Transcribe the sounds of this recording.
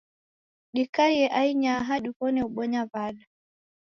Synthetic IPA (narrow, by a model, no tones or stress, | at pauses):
ɗikajɛʔaiɲaɦaɗukɔnɛuɓɔɲavaɗa